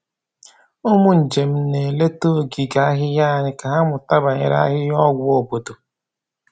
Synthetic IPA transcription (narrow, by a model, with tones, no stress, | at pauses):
o˦mu˦n̩˨d͡ʒe˨m̩˦ne˨le˦to˦˨ɡi˨ɡa˨˦a˦ɦɪ˦ja˦˨ɲɪ˨ka˨ɦa˦mʊ˨ta˦ba˨ɲɪ̰˨ɾa̰˦ɦɪ˦jɔ˦ɡʷo˨bo˨do˨